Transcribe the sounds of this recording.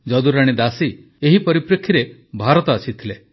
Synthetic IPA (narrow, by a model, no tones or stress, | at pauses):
d͡ʒɔd̪uɾaɽ̃id̪asi | eɦipɔɾipɾekʰːiɾebʱaɾɔt̪ɔasʰit̪ʰile